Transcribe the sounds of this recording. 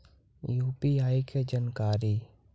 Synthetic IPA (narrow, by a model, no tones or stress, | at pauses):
juːpiaːikʰed͡ʒənkaːɾiː